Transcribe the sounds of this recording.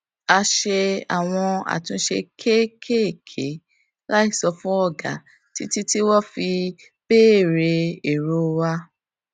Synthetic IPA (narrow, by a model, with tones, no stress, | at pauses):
a˧ʃe˧a̰˨w̃ɔ̃˧a̰˨tũ˧˦ʃe˧kʰe˦kʰe˦˨kʰe˨˦ | la˦i˦sɔ˧fũ˦ɔ˦˨ɡa̰˨ | ti˦ti˦ti˦wɔ˦fi˧ | b̥e˦˨ɾe˧e˨ɾo˨˧wa˧